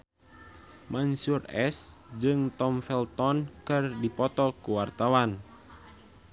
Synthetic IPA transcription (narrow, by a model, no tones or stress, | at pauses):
mansurɛsd͡ʒɨŋt̪ɔmfɛlt̪ɔnkɨrdipɔt̪ɔkuwart̪awan